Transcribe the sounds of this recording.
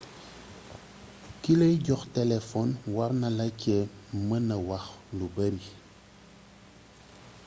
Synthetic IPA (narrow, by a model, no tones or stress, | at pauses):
kiləjɟɔxtɛlɛfɔnwaɾnɐlɐcɛmənɐwaxlubɐɾi